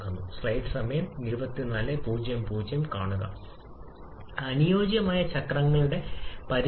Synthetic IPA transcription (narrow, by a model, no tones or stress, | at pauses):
kːunːṵsrɐjʈsɐmɐjɐmniɾubɐt̪ːinɐlepuːd͡ʑjɐmpuːd͡ʑjɐmkaːɳuɣɐ̰ | ɐnijo̞ːd͡ʑjɐmaːjɐt͡ɕɐkrɐŋːɐɭuɽe̞pɐɾ